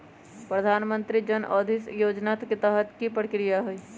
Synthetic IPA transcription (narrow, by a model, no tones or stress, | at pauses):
pɾəd̪ʱaːnmə̃nt̪ɾid͡ʒənʔɔːd̪ʱisjoːd͡ʒnaːt̪ket̪əɦət̪kipɾəkɾijaɦoiː